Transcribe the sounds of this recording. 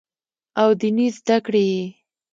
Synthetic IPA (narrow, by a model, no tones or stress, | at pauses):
awd̪inizd̪akɽeje